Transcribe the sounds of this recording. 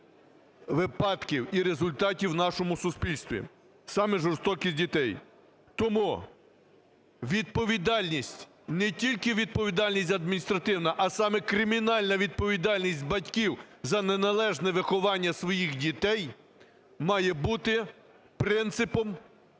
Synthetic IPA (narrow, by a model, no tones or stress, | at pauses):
ʋɪpɑt̪kʲiwiɾezʊlʲt̪ɑtʲiwnɑʃɔmʊsʊspʲilʲst̪ʋʲḭ | sɑmɛʒɔɾst̪ɔkʲisʲdʲit̪ɛj | t̪ɔmu | ʋʲid̪̚pɔʋʲid̪ɑlʲnʲisʲtʲ | nɛtʲilʲkɪʋʲid̪̚pɔʋʲid̪ɑlʲnʲisʲtʲɐd̪mʲinʲist̪ɾɐt̪ɪwnɐʔɐsɑmɛkɾɪmʲinɑlʲnɐʋʲid̪̚pɔʋʲid̪ɑlʲnʲisʲt̚ʲbɐtʲkʲiwzɐnenɐlˠɛʒnɛʋɪxɔʋɑnʲːɐsʋɔjixdʲit̪ɛj | mɑjɛbut̪ɪ | pɾɪnt̪sɪpɔm